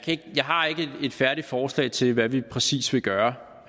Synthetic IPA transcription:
kʰæeɡ̥əjɑ̈ɪɦɑ̈e̝ɡ̥əde̝d̥fæɐɾ̥i̥fɒːslɛ̰ɪt͡sʰe̝lʋæʋipʰʁɛsḭːsʋe̝ɡ̥ɶːɐ

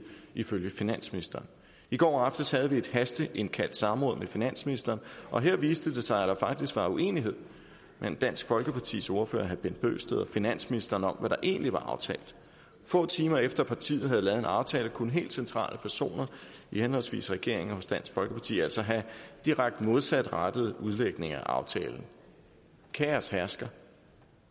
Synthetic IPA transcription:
iføljəfinæn̰sminisd̥ɐːn | iɡ̥ɒ̰ːɑfd̥ɐshæð̞̩ˠʋie̝d̥hæsd̥əʔe̝nkʰæl̰d̥sɑ̈mʁɔ̽ːðˠmefinæn̰sminisd̥ɐːnʔɒ̽ɦe̝ɐ̰ʋiːsd̥əd̥e̝sɑ̈ɪæd̥ɑ̈fɑ̈ɡ̥̚d̥isɡ̥ʋɑ̈ue̝̰ːniɦe̝ð̞̰ˠ | mʔend̥æn̰sɡ̥fɒ̽lɡ̥əpʰɑ̈t͡sʰḭːso̝ɐfø̰ːɐɦæb̥end̥̚b̥ø̰ːsd̥eðˠɒ̽finæn̰sminisd̥ɐːnɒ̽mʋæɾ̥ɑ̈ʔe̝̰ːnliʋɑ̈ʔɑ̈ʊt͡sʰɛ̰ːld̥ˠ | fɔ̰̽ːt͡sʰiːmɐefd̥ɐpʰɑ̈t͡sʰḭːð̩ˠhæðˠlɛːð̞̩ˠe̝nɑ̈ʊt͡sʰɛːləkʰonɦe̝̰ːld̥sent͡sʰʁɑ̰̈ːlʔəpʰæɐso̝̰ːnɐihenɦɒ̽l̰sʋḭːsʁɛɡ̥e̝ɐ̰e̝ŋɦɔ̽sd̥æn̰sɡ̥fɒ̽lɡ̥əpʰɑ̈t͡sʰḭːæl̰sɒ̽ɦæd̥iʁaɡ̥̚d̥mo̝ð̞ˠsæd̥ʁad̥əð̞̩ˠuð̞ˠleɡ̥ne̝ŋɐæʔɑ̈ʊt͡sʰɛ̰ːln̩ | kʰææshæɐsɡ̥ɐ

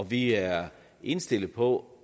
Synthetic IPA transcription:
ɒʋiæɐ | ʔe̝nsd̥e̝l̰ð̩ˠpʰɒ̽

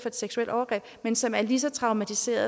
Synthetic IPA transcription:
fɒ̽e̝d̥seɡ̥suel̰d̥ɒʊɐɡ̥ʁɛ̰ːb̥mensɒ̽mæɐlisɒ̽t͡sʰʁɑ̈ʊmæt͡sʰise̝̰ːɐðˠ

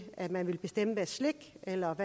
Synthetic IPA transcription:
ʔæmænʋe̝lb̥e̝sd̥emb̥əsleɡ̥elɐʋæ

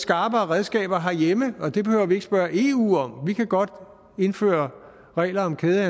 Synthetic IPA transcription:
sɡ̥ɑ̈ːb̥ɐːʁɛð̞ˠsɡ̥ɛ̰ːb̥ɐɦɑjeməɒ̽d̥e̝b̥e̝høʊ̰ɐʋie̝ɡ̥sb̥ɶːɐʔe̝ːṵːɒ̽mʋikʰæɡ̥ɒ̽d̥ | e̝nfø̰ːɐ | ʁɛ̰ːlɐɒ̽mkʰeːðˠæ

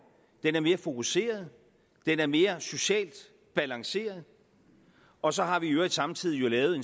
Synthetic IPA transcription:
d̥enæɐme̝ːɐfo̝kʰuse̝̰ːɐð̞̩ˠ | d̥enæɐme̝ːɐso̝ɕɛ̰ːld̥ | b̥ælɑ̈ŋse̝̰ːɐð̞ˠ | ɒ̽sɒ̽ɦɑ̈ʋiøːɐid̥sɑ̈mt͡sʰið̞̰ˠijo̝lɛːʊð̩ˠe̝n

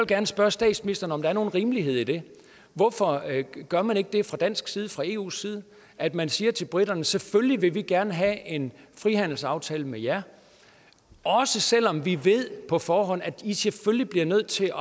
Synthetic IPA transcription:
ɒlɡ̥æɐnəsb̥ɶɐsd̥ɛ̰ːd̥sminisd̥ɐnəɒ̽md̥ɑ̈æɐno̝ːn̩ʁiːməliɦe̝ð̞̰ˠid̥e̝ | ʋɒfɒ̽ɡ̥ɶɐmæne̝ɡ̥əd̥e̝fʁɑ̈d̥æn̰sɡ̥siːð̞ˠəfʁɑ̈e̝̰ːṵːsiːð̞ˠə | ʔæd̥mænsiːɐt͡sʰe̝lb̥ʁid̥ɐnəsefølliʋe̝ʋiɡ̥æɐnəɦæe̝nfʁihæn̰l̩sɑ̈ʊt͡sʰɛ̰ːləmejæɐ | ɒ̽səsel̰ɒ̽mʋiʋe̝ð̰ˠpʰɒ̽fɒːɦɒ̽n̰æ̥iseføljib̥liɐnøð̞̰ˠt͡sʰe̝ɒ̽

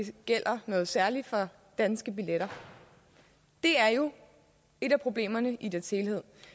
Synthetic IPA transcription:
e̝ɡ̥el̰ɐnɔ̽ːð̩ˠsæɐli̥fɒ̽ | d̥ænsɡ̥əb̥ileɾ̥ɐ | d̥e̝æɐjo̝ | e̝ɾæpʰʁo̝b̥le̝̰ːmɐnəʔid̥eɐshe̝ːlhe̝ð̰ˠ

